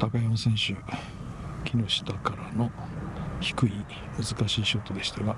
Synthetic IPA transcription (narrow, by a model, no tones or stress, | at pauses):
t̪akajamasẽ̞ɰ̃ɕɨ | kʲino̞ɕi̥t̪akaɾano̞ | çi̥kɯ̟i | mɯ̟zɨkaɕiːɕo̞ːt̪o̞d̪e̞ɕi̥t̪aɡa